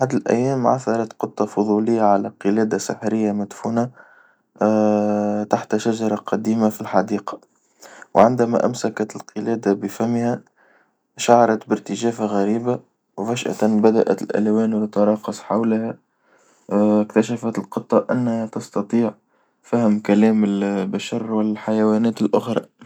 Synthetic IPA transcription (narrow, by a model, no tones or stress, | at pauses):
ħad̪ɪlʔæ̰jːæːmʕa̰θɑɾˤɑt̪qɨt̪ˤːɑfʊðˤuːlɪjːaʕalæqɨlæːd̪asɪ̰ħɾɪjːamad̪fuːna | t̪aħt̪ʃaʒɑɾˤɑqʰɑd̪iːmafilħɑd̪iːqɑ̥ | wʕɪnd̪æmæ̰ʔæ̰msakat̪ɪlqɨlæːd̪abɪfæmːhæ | ʃaʕɑɾˤɑt̪bɪɾt̪ɪʒæːfaɣæɾiːba | wfæʃʔa̰t̪bæd̪aʔæ̰t̪lʔæ̰lwɛːnwt̪ɑt̪ɑɾˤɑːqɑsˤħawlhæ | kt̪aʃafat̪ɪlqɨt̪ˤːɑʔanːhæt̪ɑst̪ɑt̪ˤiːʕ | fæhɪmkælɛːmɪlbaʃɑɾˤwɪlħajawæːnɛːt̪ɪlʔʊxɾˤɑ̰